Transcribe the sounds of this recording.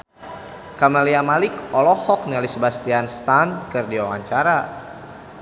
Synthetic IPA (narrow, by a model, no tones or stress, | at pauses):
kamaliamalɪkɔlɔhɔk̚nialisəbast̪ianst̪ankɨrdiwawaɲt͡ʃaɾa